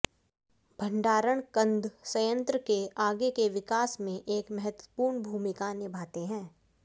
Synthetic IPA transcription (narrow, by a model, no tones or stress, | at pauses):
bʱɐ̃ɳɖaːɾəɽ̃kə̃nd̪ʱsɐjə̃nt̪ɾəkeaːɡekeʋɪkaːsmẽʔeːkmɛɦət̪wəpuːɾɳbʱuːmɪkanɪbʱaːt̪eɦɛ̃ː